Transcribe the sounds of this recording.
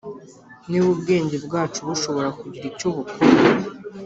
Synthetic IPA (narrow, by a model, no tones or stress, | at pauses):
niβubɡe̞ːɲɟebɡaːt͡ʃuβuʃo̞βo̞ɾakuɟiɾicuβukuɾo